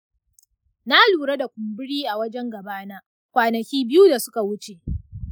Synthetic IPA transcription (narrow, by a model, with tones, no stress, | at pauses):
na˦luː˨ɽe˦da˨kʷʊ˨mbʊ˦ɽiː˦ʔa˨wɐ˦d͡ʒɛ˦ŋɡɐ˨baː˦naː˦ | kʷaː˨nɐ˨kʲiː˦bɪ˦ju˦da˨sʊ̥˦ka˨wʊ˦t͡ʃe˨ʔ